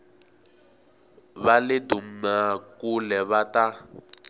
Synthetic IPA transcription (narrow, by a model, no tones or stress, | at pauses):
βalɪdummakulɛβata